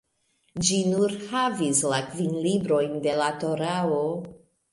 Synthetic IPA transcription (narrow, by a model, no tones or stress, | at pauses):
d͡ʒinuɾhavislakvinlibɾo̞jnde̞lato̞ɾao